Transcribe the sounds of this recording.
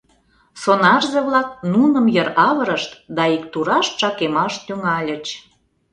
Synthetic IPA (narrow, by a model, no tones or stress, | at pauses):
sonɑrzeβlɑk̚nunə̆mjəɾɑβəɾəʃt̪d̪ɑikt̪uɾɑʃt̪ʃɑkemɑʃt̪yŋɑlʲə̆t͡ɕ